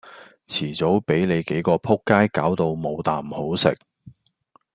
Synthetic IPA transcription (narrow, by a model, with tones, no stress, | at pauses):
t͡sʰiː˨˩t͡so˨˥wpe˨˥jne˨˧jke˨˥jkɔː˧pʰʊ˥kːaː˥jkaː˨˥wt̪o˧wmo˨˧wt̪aː˨˩mho˨˥wsɪ̰˨k̚